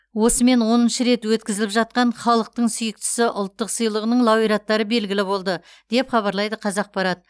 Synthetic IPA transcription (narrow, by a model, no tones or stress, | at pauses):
wo̞səme̞nwo̞nənʃəɾe̞t̪wɵt̪kʲɪzɪlɪpʒɑt̪̚qɑɴχɑlˠəq̚t̪əɴsʏjɪk̚t̪ɪ̥sɪʔʊlˠt̪ːəqsijlˠəʁənəɴlˠɑwijɾɑt̪ːɑɾəbe̞lɡʲɪlɪbo̞lˠd̪ə | d̪̥e̞pχɑβɑɾlˠɑjd̪əqʰɑzɑq̚bɑɾɑd̪ə